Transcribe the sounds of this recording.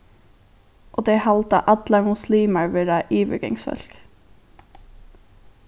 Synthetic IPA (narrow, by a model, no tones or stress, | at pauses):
ʔoːd̪eːhɑlt̪ɑ̰ʔɑd̪lɑɹmʊsliːməɹʋeɾɑʔiːʋə̰ɡɛ̰ŋsfœ̰lk